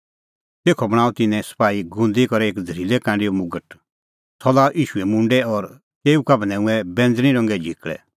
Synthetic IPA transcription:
t̪eːkʰɔbɐɽ̃aːut̪ɪnɛ̃sə̥paːiɡʊ̃nd̪ikɔɾɛeːkd͡z̪ʱɐɾilɛkãːɖijomʊɡəʈ | t͡sʰɔlaʔiːʃuɛmʊ̃ɳɖɛɔɾ | keːukɐbnɛ̃ũɛbɛ̃nd͡zñĩɾɔ̃ŋɡɛd͡ʒʱikɭɛ̰

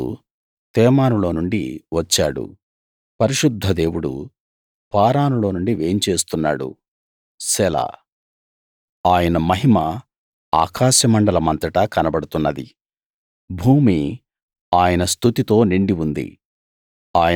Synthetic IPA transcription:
ṵ | t̪ɛːmaːnulo̞ːnuɳɖḭʋɐt͡ʃːaːɽṵ | pɐɾiʃud̪ʱːɐd̪e̞ːwuɽṵ | paːɾaːnulo̞ːnuɳɖiʋe̞ːmt͡ʃe̞ːst̪unːa̰ːɽṵ | sɛla̰ː | aːjɐnɐmɐɦimɐ | a̰ːkaːʃjɐmɐɳɖɐlɐmɐnt̪ɾɐʈɐkɐnɐbɐɽut̪unːɐd̪ḭ | bʱuːmi | aːjɐnɐst̪ʰut̪it̪o̞ːniɳɖiund̪ḭ | aːjɐ

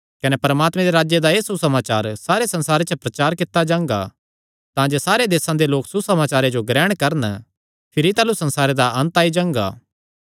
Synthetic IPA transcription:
kɐnɛpɐɾmaːt̪mɛ̃d̪eɾaːd͡ʒjed̪aeːsusɐmaːt͡ʃaːɾsaːɾesɐ̃nsaːɾet͡ʃəpɾɐt͡ʃaːɾkɪt̪ːad͡ʒãːŋɡa̰ | t̪ãd͡ʒesaːɾed̪eːsãd̪eloːksusɐmaːt͡ʃaːɾed͡ʒoɡɾɛːɽ̃kɐɾn | pʰɪɾit̪aːlusɐ̃nsaːɾed̪aɐ̃nt̪aːid͡ʒãːŋɡa̰ː

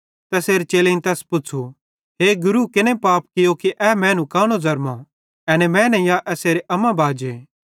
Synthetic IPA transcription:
t̪ɛseːɾet͡ʃeːleĩnt̪ɛːspʊt͡ʃʰu | ɦeːɡʊɾukɪnẽpaːp̚kɪjokiʔɛːmɛ̃ːnũkaːɽ̃ozɐɾmã | ɐnɛmɛ̃ːnɛ̃jaʔɛseːɾeʔɐmãbʱaːd͡ʒeː

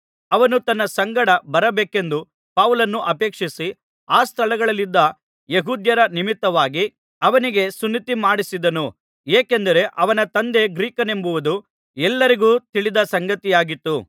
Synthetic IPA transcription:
ɐʋɐnut̪ɐnːɐsɐŋɡɐɽɐbɐɾɐbeːke̞nd̪u | paʋulɐnːuʔɐpe̞ːkʂisi | aːst̪ʰɐlɐɡɐɭɐlːid̪ːɐ | jeɦuːd̪jɐɾɐnimit̪ːɐʋaːɡi | ɐʋɐniɡe̞sunːit̪imaːɽisid̪ɐnu | eːkend̪ɐɾe̞ʔɐʋɐnɐt̪ɐnd̪e̞ɡɾiːkɐne̞mbuʋud̪u | ɛlːɐɾiɡuːt̪iɭid̪ɐsɐŋɡɐt̪ijaːɡit̪ːu

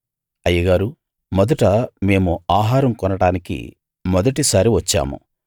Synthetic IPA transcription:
ɐjɐɡaːɾu | mɔd̪ɐʈɐme̞ːmuaːɦaːɾɐmkɔnɐɽaːnikḭ | mɔd̪ɐʈisaːɾiʋɐt͡ʃːa̰ːmṵ

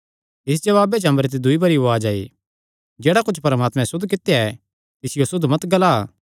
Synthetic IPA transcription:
ɪs̬d͡ʒɐʋaːbet͡ʃɐ̃mbɾet̪̬ed̪ʊibɐɾioaːd͡ʒaːḭ | d͡ʒɛːɽakʊt͡ʃʰpɐɾɐmaːt̪mɛ̃sʊd̪ʱk̬ɪt̪jaɛ | t̪ɪsɪjosʊd̪mɐt̪ɡɐla

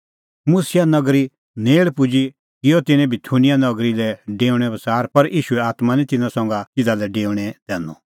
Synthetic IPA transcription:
mʊsɪjanɐɡɾi | neːɭpʊd͡ʒi | kɪjɔt̪ɪnɛ̃bɪt̪ʰunɪjanɐɡɾilɛɖeːʊɽ̃ɛbɐsaːɾpɐɾʔiːʃuɛaːt̪manĩt̪ɪnãsɔ̃ːŋɡatɪd̪alɛɖeːʊ̃ɽ̃ɛd̪̥ɛːnɔ̰

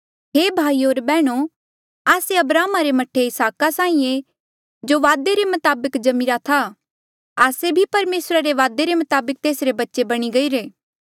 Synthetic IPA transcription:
ɦeːbʱaːioːɾbɛːɽ̃o | aːseɐbɾaːmaɾemɐʈʰeɪsaːkasãːĩːẽ | d͡ʒoʋaːd̪eɾemɐt̪aːbəkd͡ʒɐmiɾat̪ʰa | aːsebʱipɐɾmeːsɾaɾeʋaːd̪eɾemɐt̪aːbək̚t̪eːsɾebɐtːʃebɐɽ̃iɡɐiɾeː

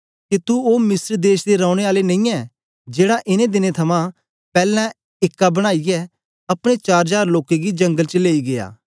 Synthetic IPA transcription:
kit̪uoːmɪsəɾd̪eːʃd̪eɾãːʊ̃ɽ̃eaːlenɐ̃ĩːɛ | d͡ʒeːɽaʔɪnẽd̪ɪnet̪ʰɐmã | pɛːlɛ̃ | ɪkːabɐɽ̃aːijɛ | ɐpɽ̃et͡ʃaːɾd͡ʒaːɾloːkeɡid͡ʒɐ̃ŋɡəlt͡ʃəleːiɡea̰ː

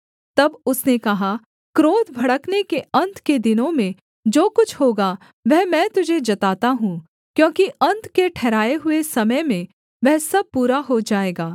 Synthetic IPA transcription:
t̪ɐbʊsnekɐɦa | kɾoːd̪ʱbʱɐɽəknekeɐ̃nt̪ked̪ɪnõmẽ | d͡ʒoːkʊt͡ʃʰɦoːɡa | ʋɛɦmɛ̃ːt̪ʊd͡ʒʱed͡ʒɐt̪aːt̪aɦũː | kjõːkiɐ̃nt̪keʈʰɛːɾaːeɦʊesɐməjmẽ | ʋɛɦsɐb̚puːɾaɦod͡ʒaːeːɡaː

